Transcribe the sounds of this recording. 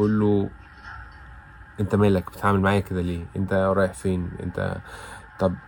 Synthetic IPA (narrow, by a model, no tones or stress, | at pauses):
ʔulːo | ʔent̪æmæːlækb̥et̪ʕaːmelmaʕaːjæked̪æleːʔent̪æɾˤɑːjeħfeːnʔḛnt̪æ̰t̪ˤɑb